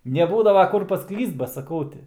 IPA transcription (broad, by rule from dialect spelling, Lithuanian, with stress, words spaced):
nʲɛˈbuːdɐʋɐ ˈkʊr pɐˈklʲiːst bɐ sɐˈkɐʊ ˈtʲɪ